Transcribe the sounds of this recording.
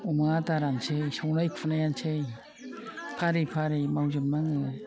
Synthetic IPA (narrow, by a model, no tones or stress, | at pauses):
umataɾansejsawnajkʰfanajansej | pʰaɾipʰaɾejmawd͡ʒɯmnaŋɯ